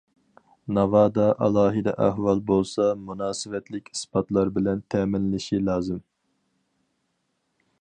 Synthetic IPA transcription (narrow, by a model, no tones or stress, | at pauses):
nɑvɑːd̪ɑʔɑlˠɑːɦɨd̪ɛ̰ʔæɦwɑlˠbolˠsɑmunɑːsɨvɛt̪lɪkʲi̥spɑt̪lˠɑɾbɪlɛnt̪ʰɛːmɪnːɪʃilˠɑːzɨm